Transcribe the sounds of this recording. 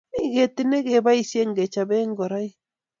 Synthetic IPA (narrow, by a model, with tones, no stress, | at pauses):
iɣetine˦ɣe˨βa˦isje˦ŋɡɛ˨t͡ʃaβɛ˦ŋɡɔ˨ɾai˦